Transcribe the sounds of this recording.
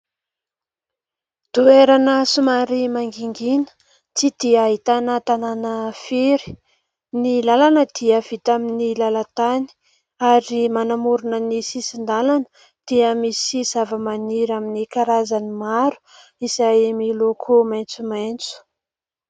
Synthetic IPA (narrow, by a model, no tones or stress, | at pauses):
d̪̥ueɾanəsumaɾimaŋɡiŋɡinə̥ | t͡sid̪̥iaɦit̪anət̪ananəfeɾi̥ | nilalanəd̪̥iəv̥it̪aminilalat̪ani̥ | aɾimanamuɾunənisisind̪alanə̥ | d̪̥iəmisizavəmaniɾaminikaɾazanimaɾu̥ | isaemilokʰomajnt͡sumajnt͡su̥